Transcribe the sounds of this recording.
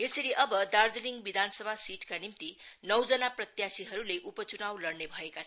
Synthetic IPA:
esʌɾiʔʌbʌd̪ard͡zʌliŋɡbid̪ʱanʌsʌbʱasiʈkanimt̪inʌwd͡zʌnaprʌt̪jasiɦʌɾuleʔupʌt͡sunawlʌrnebʱʌeka

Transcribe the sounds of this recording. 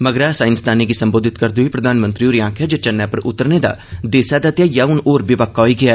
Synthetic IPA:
məɡɾaːsaːɪnsd̪aːniːɡiːsəmboːd̪ʱɪt̪kəɾd̪uiːpɾəd̪aːnmə̃nt̪ɾiːoːɾijãːkʰɛːd͡ʒoːt͡ʃənːɛːpəɾʔʊ̰t̪ːəɾneːd̪a̰ːd̪eːsaːd̪at̪jaːjaːʊnoːɾbiʋəkːaɦoiːɡɪaː

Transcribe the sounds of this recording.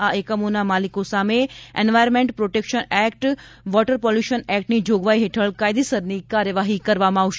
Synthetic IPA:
aekəmonamalikosameɛ̰nʋajɾmẽɳʈpɾoʈekʃənɛkʈ | ʋɔʈəɾpɔljuʃənɛk̚ʈnid͡ʒoɡʋaiɦeʈʰəɭkajd̪isəɾnikaɾjəʋaɦikəɾʋamãːʋʃ

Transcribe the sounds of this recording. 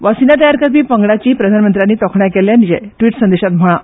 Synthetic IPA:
ʋasinat̪̬əjaɾkət̪ʋiːpəŋɡɽat͡ɕiːpɾəd̪ʱanmənt̪ɾjanːiːt̪ɔkʰɳjakɛljanid͡ʑɛ̰ʈʋiːʈsənd̪eɕat̪m̤əɭ̃a

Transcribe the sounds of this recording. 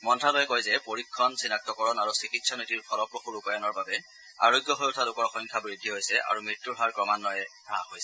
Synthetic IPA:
mɔntʰalojɛkɔjzɛpoɹikʰːɔnsinak̚tɔkɔɹɔnaɹusikitsʰɔnitiɹkʰɔlɔpɹɔxulupajɔnɔɹbabɛ | a̰ɹoɡjɔɦojʊtʰalʊkɔɹxɔjŋkʰabɹidʱiɦojsɛʔa̰ɹumɹitːuɹɦaɹkɹɔmanːɔjɛ | aɦojsɛ

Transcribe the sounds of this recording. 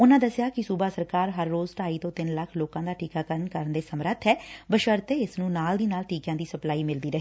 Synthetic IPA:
ʊnãːd̪əsɪjaːkɪsuːbaːsəɾkaːɾɦəɾːoːzʈaːiːt̪õːt̪ɪnləkʰloːkãːd̪aːʈiːkaːkəɾənkəɾənd̪eːsəmɾət̪ʰːɦɛːbəʃəɾt̪eːɪsnũːnaːld̪iːnaːlʈiːkjãːd̪iːsəplaːiːmɪld̪iːɾəɦeː

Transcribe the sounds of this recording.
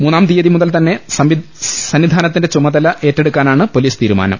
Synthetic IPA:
muːnːaːmt̪ijɐðimuðɐlt̪ɐnːe̞sɐi | sɐnːid̪ʱaːnɐt̪ːindet͡ɕumːɐðɐlɐʔe̞ːtːeɽukːaːnaːɳɨpo̞liːst̪iːɾuma̰ːnɐ̰m

